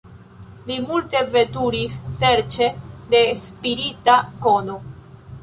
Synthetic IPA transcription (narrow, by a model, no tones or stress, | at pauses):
limulte̞ve̞tuɾisse̞ɾt͡ʃe̞de̞spiɾitako̞no̞